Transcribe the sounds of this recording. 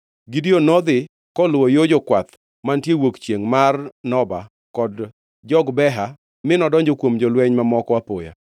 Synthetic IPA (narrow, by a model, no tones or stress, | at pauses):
ɡɪdonɔd̪ɪ | kɔlwojod͡ʒɔkwat̪ | mantjewokt͡ʃjeŋmarnɔba̰ | kɔd | d͡ʒɔɡbɛɦa | mɪnɔdɔɲd͡ʒɔkwomd͡ʒɔlwɛɲmamɔkɔwapoja̰